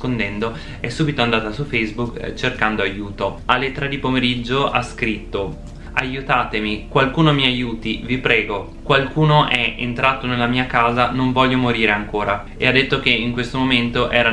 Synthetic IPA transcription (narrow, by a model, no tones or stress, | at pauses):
kond̪ɛnd̪o | ɛsːuːbit̪oand̪aːt̪asufɛjzbukt͡ʃerkand̪oajuːt̪o | alːet̪ːɾad̪ipomeɾid͡ʒːoʔa̰skɾit̪ːo | ajut̪aːt̪emikwalkuːnomiajuːt̪ivipɾɛːɡo | kwalkuːnoʔɛḛnt̪ɾʔaːt̪onelːamiːakaːzanoɱvɔʎːomoɾiːɾeaŋkoːɾa | ḛad̪ːet̪ːok̟eiŋkwest̪omoment̪oʔɛːɾa